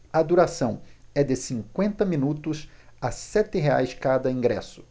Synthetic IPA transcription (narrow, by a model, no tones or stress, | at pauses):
ɐd̪uɾasɐ̃w̃ɛd̪ɪsĩŋkwẽnt̪ɐmĩnut̪ʊsasɛt̪ɪɦea̰jskad̪ɐĩŋɡɾɛ̰sʊ̥